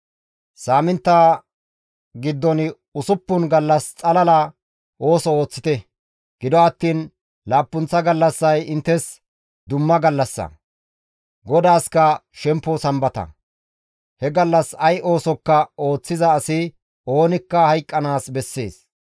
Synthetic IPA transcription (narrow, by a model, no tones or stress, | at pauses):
saːmɪnt̪ːaː | ɡɪd̪ːɔnɪ | ʊsʊpːʊnɡɐlːɐst͡sʼɐlɐlɐ | ʔo̞ːsɔoːt͡sːɪ̥t̪ɛ | ɡ̥ɪd̪ɔɐt̪ːiːn | laːpːʊnt͡sːɐɡɐlːɐsːɐjɪnt̪ːɛs | d̪ʊmːɐɡɐlːɐsːɐ̰ | ɡɔd̪aːskɐʃɛmpːɔsɐmbɐt̪ɐ̰ | hɛɡɐlːɐsɐjʔo̞ːsɔkːɐo̞ːt͡sːɪzɐːsɪ | o̞ːnɪkːɐhɐjkʼːɐnaːsbɛsːe̞ːs